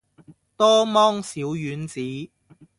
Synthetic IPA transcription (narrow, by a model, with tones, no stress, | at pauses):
t̪ɔː˥mɔː˥ŋsiː˨˥wjyː˨˥nt͡siː˨˥